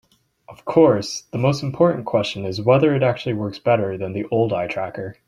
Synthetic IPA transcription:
ʔʌv̥kʰɔɹsðəmoʊstm̩pʰɔɹʔn̩kʰw̥ɛst͡ʃɨ̃nɪzwɛðə˞ɨɾæk̚t͡ʃʉl̩ˠiwɜ˞ksb̥ɛɾə˞ðɨ̃nðiʔoʊlˠdaɪtʰɹ̥ækə˞

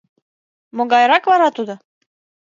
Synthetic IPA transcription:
moɡɑjɾɑkβɑɾɑt̪ud̪ŏ

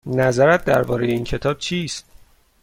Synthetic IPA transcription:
næzæɾæt̪̚d̪æɾbɒːɾejeiːncʰe̞t̪ʰɒːb̥̚t͡ʃʰiːst̪̚

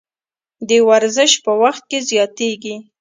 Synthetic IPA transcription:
d̪əwaɾzəʃpəwaxt̪̚kezjɑt̪eɡi

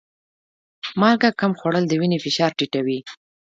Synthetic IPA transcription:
mɑlɡakamxwaɽəld̪əwinefɪʃɑɾʈiʈawi

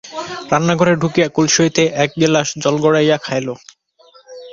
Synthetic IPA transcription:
ɾanːaɡʱoɾeɾɖʱukijakulʃoit̪eʔɛk̚ɡelaʃd͡ʑɔlɡɔɽajakʰajlo

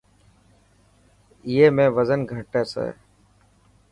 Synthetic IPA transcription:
ɪjeːmẽːʋəzənɡʱəʈeːsḛː

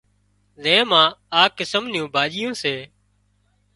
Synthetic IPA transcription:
zẽːmãːaːkɪsəmnjõːbʱaːʄɪjõːseː

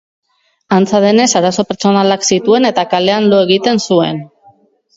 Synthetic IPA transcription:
ant͡saðe̞ne̞saɾaso̞peɾt͡so̞nalaksit̪ue̞ne̞t̪akale̞anlo̞e̞ɣ̞it̪e̞nsue̞̰n

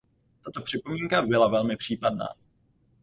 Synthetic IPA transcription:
t̪at̪o̞pr̝̥ɪpo̞miːŋkabɪlavɛlmɪpr̥iːpadna̰ː

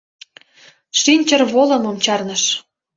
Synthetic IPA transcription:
ʃinʲt͡ɕərβolɤ̆momt͡ɕɑrnə̆ʃ

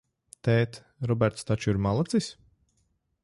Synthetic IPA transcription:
t̪ɛːt̪ | ɾɔbɛɾt̪st̪at͡ʃuiɾmalˠat̪sis

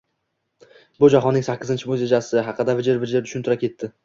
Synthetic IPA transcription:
bʊd͡ʒaɦɒnːɪŋsakʲʰːɪzɪnt͡ʃʰɪmoɵzjed͡ʒasɪɦɑqʰːɨd̪avɪd͡ʒɪɾbɪd͡ʒɪɾt̪ʰʊ̥ʃʊnt̪ʰʊɾakʲe̞t̪ːɪ

